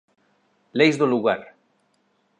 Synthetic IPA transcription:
lejzðoluɣaɾ

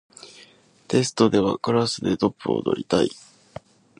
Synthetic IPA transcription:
t̪e̞sɨ̥t̪o̞d̪e̞β̞akɯ̟ɾasɨd̪e̞t̪o̞pːɯ̟o̰d̪o̞̰ɾʲit̪aḭ

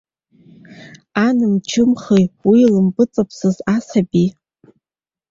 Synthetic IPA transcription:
anɨmt͡ʃʰɨmχejwilɨmbɨt͡sʼapʰsɨzasabi

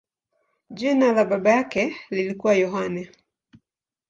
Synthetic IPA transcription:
ʄinalaɓaɓajakɛlilikuwajɔɦanɛ

